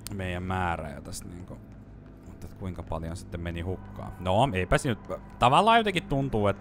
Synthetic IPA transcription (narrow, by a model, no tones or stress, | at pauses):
meijæmmæːræ̰jɑ̰t̪æst̪nḭːŋko | mut̪ːet̪kuiŋkɑpɑljõnsit̪ːemmenihukːɑ̰ːnoeipæsnyt̪t̪ɑʋɑlːɑːjot̪eŋkit̪t̪unt̪uːet̪